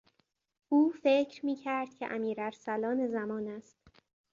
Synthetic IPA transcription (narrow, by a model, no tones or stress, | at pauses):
ʔuːfecʰɾmiːcʰæɾd̪̥cʲʰḛʔæmiːɾæɾsælɒːne̞zæmɒːnæst̪̚